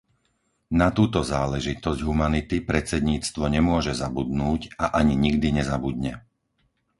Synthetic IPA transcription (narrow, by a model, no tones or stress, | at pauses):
nat̪uːt̪ɔzaːlɛʒit̪ɔzɟɦumanit̪ipɾɛt͡sɛd̪ɲiːt͡st̪ʋɔɲɛmʊɔʒɛzabud̪nuːɟaʔaɲiɲiɡd̪iɲɛzabud̪ɲɛ